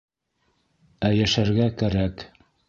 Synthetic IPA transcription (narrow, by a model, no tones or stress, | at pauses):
æjæʃæɾɡækæɾæk